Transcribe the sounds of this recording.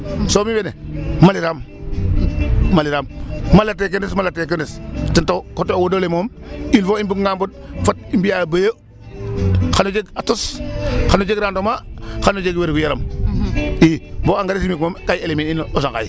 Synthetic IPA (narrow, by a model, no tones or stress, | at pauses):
somiwenemaliɾam | aliɾamːalatek̬əndismalatek̬ənistintokotowodolemom | ilfoimbukŋambod̚fat̚imbijabajo | xanod͡ʒeɡatosxanod͡ʒeɡɾandomaxanod͡ʒeɡweɾɡujaɾa̰m | iboaŋɡaɾisimikmomkajelemininosaŋka̰j